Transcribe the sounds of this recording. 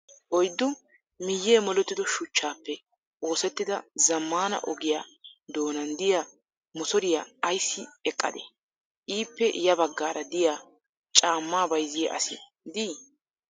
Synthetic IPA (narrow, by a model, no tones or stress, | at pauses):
ʔɔjd̪ːʊ | mɪjːeːmɔlɛt̪ːɪd̪ɔʃʊt͡ʃːaːpːɛ | ʔo̞ːsɛt̪ːɪd̪ɐzɐmːaːnɐ̰ʔɔɡɪja̰ːd̪o̞ːnɐnd̪ɪjaː | mʊsɔɾɪjaːɐjsːɪɛkʼːɐ̰d̪ɛ̰ | ʔiːpːɛʔjɐbɐɡːaːɾɐd̪ɪjaː | t͡ʃʼaːmːaːbɐjzɪjɛ̰ʔɐ̰sɪ | d̪iː